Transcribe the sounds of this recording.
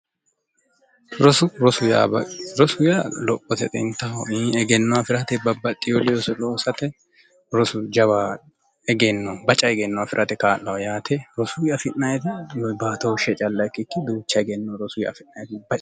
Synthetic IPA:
ɾɔsʊɾɔsʊja̰ɾɔsʊjaːlɔpʼːɔt̪ɛt̪ʼɛnt̪ːɐhɔiɛɡɛnːɔwafɪɾɐt̪ɛbɐbːɐt̪ʼɪjolɪjɔsʊloːsɐt̪ɛ | ɾɔsʊd͡ʒɐwa | ɛɡɛnːɔbɐt͡ʃʼɐɛɡɛnːɔwafɪɾʔɐt̪ɛkaːlːɐwɐjaːt̪ʰɛɾɔsʊjɐfɪʔnɐjɛt̪ɐbaːt̪ɐwʃɛt͡ʃʼɐlːɐkːɪkːɪd̪uːt͡ʃːɐɛɡɛnːɔɾɔsʊj̰ɐ̰fɪʔnɐjɛt̪bɐt͡ʃʼ

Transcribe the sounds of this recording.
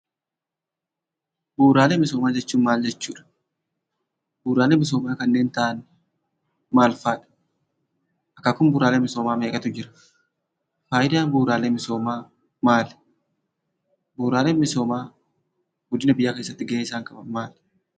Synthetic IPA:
buːɾaːleːmɪsoːmaːd͡ʒɛt͡ʃːuːnmaːld͡ʒɛt͡ʃːuːᶑɐ̥ | buːɾaːleːmɪs̬oːmaːkɐnːe̞ːnt̪aːɐnː | maːlfaːᶑɐ̥ | ʔɐkːakʊmbuːɾaːleːmɪso̞ːmaːmeːkʼɐt̪ʊd͡ʒɪɾɐ̥ | faːjɪd̪aːnbuːɾaːleːmɪso̞ːmaː | maːl | buːɾaːle̞ːnmɪso̞ːmaː | ɡʊd̪ɪnɐbɪjaːkeːs̬ːɐt̪ːɪɡeːɪsaːŋkɐbɐmaːl

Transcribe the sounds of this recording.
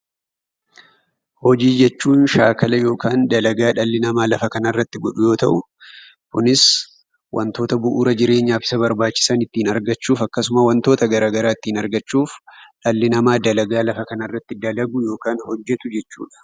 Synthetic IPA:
hɔd͡ʒiːd͡ʒɛt͡ʃːuːnʃaːkɐlɐjo̞ːkaːnd̪ɐlɐɡaːᶑɐlːɪnɐmaːlɐfɐkɐnɐrːɐt̪ːɪɡɔᶑʊjo̞ːt̪ɐʔʊ | kʊnɪs | wʔɐ̰nt̪o̞ːt̪ɐbʊʔuːɾɐd͡ʒɪɾe̞ːɲːaːfɪ̥sɐbɐɾbaːt͡ʃːɪ̥sɐnɪt̪ːiːnɐɾɡɐt͡ʃːuːfɐkːɐsʊmɐwɐnt̪o̞ːt̪ɐɡɐɾaːɡɐɾaːɪt̪ːiːnɐɾɡɐt͡ʃːuːfᶑɐlːɪnɐmaːd̪ɐlɐɡaːlɐfɐkɐnɐrːɐt̪ːɪd̪ɐlɐɡʊjo̞ːkaːnhɔd͡ʒːɛt̪ʊd͡ʒɛt͡ʃːṵːᶑɐ̥

